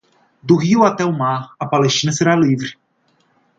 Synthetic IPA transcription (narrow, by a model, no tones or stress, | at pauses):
d̪ʊɦiwat̪ɛʊmaɾɐpaleʃt͡ʃĩnɐseɾalivɾɪ